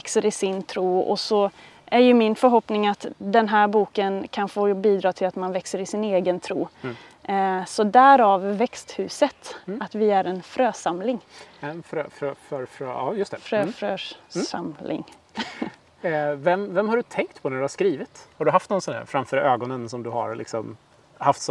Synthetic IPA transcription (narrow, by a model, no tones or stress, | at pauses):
ɛksəɾɪsɪnt̪ʰɾuːɔ̰sɔ | ʔæɾjɵmɪnfœɾɦɔpnɪŋat̪d̪ɛnɦæɾbuːkənkʰanfoːbiːd̪ɾɑːt̪ʰɪlat̪manvɛksəɾɪsɪneːɡənt̪ʰɾuː | sɔd̪æɾavːɛkst̪hʉ̟ːsət̪at̪vɪæɾɛnfɾøːsamlɪŋɛnfɾøfɾøfœɾfɾøɑ̰ːjɵst̪ɛfɾøfɾøːsa̰mlɪ̰ŋ | vɛmvɛmhaɖɵt̪ʰɛŋk̚t̪pʰɔnæɾɖɵhaʂkɾiːvɪt̪haɖɵɦaft̪nɔnsɔndæ̰ːɾfɾamfœːɾøːɡɔnənsɔmd̪ɵha̰ɾlɪ̰ksɔm | haft̪s